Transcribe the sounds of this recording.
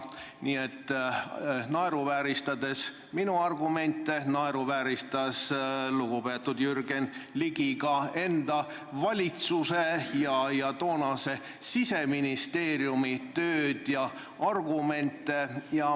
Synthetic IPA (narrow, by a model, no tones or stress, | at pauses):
niːet̪ːˑ | nɑeɾuvæːɾist̪ɑd̪e̞s | minuɑrɡume̞nt̪ːˑe̞nɑeɾuvæːɾist̪ɑsluɡ̥upe̞ːt̪ːud̪̥jyrɡ̥enliɡiɡɑe̞nd̪̥ɑ | vɑlʲit̪suse̞jɑjɑt̪o̞ːnɑse̞ | sise̞minist̪e̞ːɾjumit̪øːd̪̥jɑ | ɑrɡ̥ume̞nt̪ːˑe̞jɑ